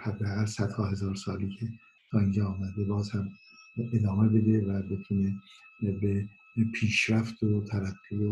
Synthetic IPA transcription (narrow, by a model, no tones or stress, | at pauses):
hæd̪ːæɣælsæd̪̥hɒːɦe̞zɒːɾsɒːliːcʰe | t̪ʰɒːind͡ʒɑɒːmæd̪ebɒːzhæm | ed̪ɒːmebe̞d̪e̞væbe̞t̪ʰunebe | pʰiːʃɾæft̪ot̪ʰæɾæɡːibo